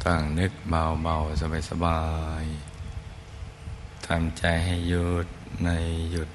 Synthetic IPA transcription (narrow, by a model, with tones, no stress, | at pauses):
t̪aː˧˩ŋnɯ˧˦k̚ba˧wba˧˩wsa˧baː˧˩jsa˧baː˧j | t̪ʰa˧˩mt͡ɕa˧jɦa˥˧˩jːu˧t̪̚na˧jːu˧˩t̪̚